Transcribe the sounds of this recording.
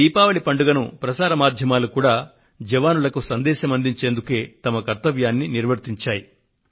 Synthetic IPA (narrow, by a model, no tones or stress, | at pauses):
d̪iːpaːʋɐlipɐɳɖuɡɐnupɾɐsaːɾɐmaːd̪ʱjɐmaːlukuːɽaː | d͡ʒɐʋaːnulɐkusɐnd̪ɛːʃɐmɐnd̪iɲt͡ʃe̞ːnd̪uke̞ːt̪ɐmɐkɐɾt̪ɐʋjaːnːiniɾʋɐɾt̪iɲt͡ʃaːji